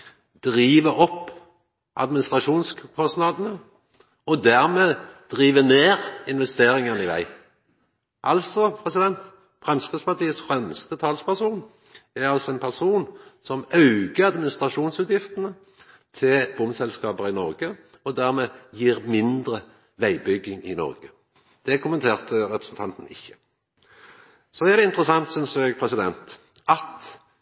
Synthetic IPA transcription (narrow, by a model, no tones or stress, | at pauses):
d̪ʁiːʋəɾɔpː | ʔɑ̰d̪mɪnɪst̪ʁɑʃuːnskʰɔst̪nɑd̪ənə | ɔd̪æʁmeːd̪̥ʁiːʋəneːʁɪnʋɛst̪eːɾɪŋənəɪʋæ̰ɪ | ʔɑlt̪sɔpʰʁɛsɪd̪ɛnt̪ | fɾɑnsk̪əspɑʁt̪iːəsfʁɛmst̪ət̪ʰɑːlspæʁsuːn | æʁɑlsɔɛnpʰæʁsuːnsɔmɑʉɡəɑd̪mɪnɪst̪ʁɑʂuːnsʉːt̪jɪft̪ənə | t̪ʰɪlbʊmsɛlskɑːbəʁɪnɔʁɡə | ɔd̪æʁmeːjiːʁmɪnd̪ʁə | ʋæɪbʏɡːɪŋɪnɔ̰ʁɡə | d̪̥ɛkʰʊmənt̪ʰeːʁt̪ʰəɾɛpʁəsn̩t̪ʰɑnt̪ən̩ɪ̰çːə̥ | sɔæʁd̪ɛɪnt̪əʁəsɑŋt̪sʏnsɛɡpʰʁɛsɪd̪ɛnt̪ | ʔɑt̪